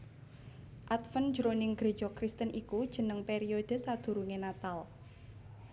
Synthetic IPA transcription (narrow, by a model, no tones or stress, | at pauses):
ʔat̪fən̥d͡ʒɾonɪŋɡ̥ɾe̤d͡ʒɔkɾist̪ənʔikud̥ʒ̥ə̤nəŋpeɾiod̪̥ə̤sad̪̥ṳɾuŋenat̪al